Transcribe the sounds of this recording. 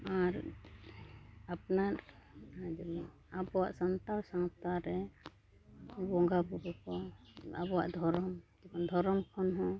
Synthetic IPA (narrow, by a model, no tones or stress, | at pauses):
aɾ | apnaɾ | d͡ʒɛbɔn | abɔwa̰ʔsant̪aɾsaŋt̪aɾɛ | bɔŋɡapubɔkɔabɔwa̰ʔd̪ʱɔɾɔmd͡ʒɛbɔnd̪ʱɔɾɔmkʰɔnɦɔ̃